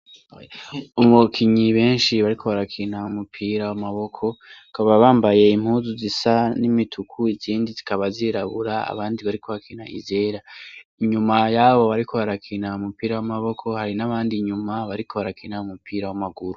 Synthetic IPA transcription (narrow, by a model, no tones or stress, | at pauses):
umukʰiɲiβe̞ːnʃiβaɾikʰo̞βaɾakʰinaumupʰiːɾawamaβo̞kʰo̞kaβaβaːmbaje̞im̥huːzuzisanimitʰukʰuiziːndizikaβaziɾaβuɾaa̰βaːndiβaɾiko̞βakʰina̰ḭzeɾaiɲumajaβo̞βaɾikʰo̞βaɾakʰinaumupiːɾawamaβo̞kʰo̞haɾinaβaːndiɲumaβaɾikʰo̞βaɾakʰinaumupʰiːɾawamaɡuɾu